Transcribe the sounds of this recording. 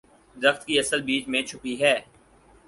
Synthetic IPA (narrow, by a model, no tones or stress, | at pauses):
d̪ɪɾəxt̪kiɐsəlbiːt͡ʃmẽt͡ʃʰʊpiɦɛː